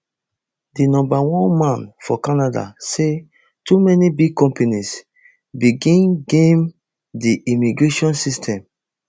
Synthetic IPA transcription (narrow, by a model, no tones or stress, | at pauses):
dinɔ̃mbawɔ̃nmãnfɔkanada̰se | tumɛnibiɡ̚kɔ̃mpenis | biɡĩnɡẽm | diʔimiɡɹeʃɔ̃nsistʰɛ̃m